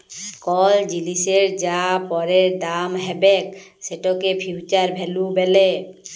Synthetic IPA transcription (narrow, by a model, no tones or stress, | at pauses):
kɔld͡ʒiliseɹd͡ʒapɔɾeɹd̪amɦɛbɛk | sɛʈɔkepʰiwt͡ʃaɹbʱɛlubɛlɛ